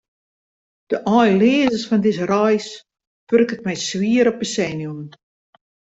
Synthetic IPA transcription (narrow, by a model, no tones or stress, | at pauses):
d̥əʔɔjleːzəsfɔndɪsərɔjs | førkət̚mɛjswiəɾɔp̚bəsɛnjum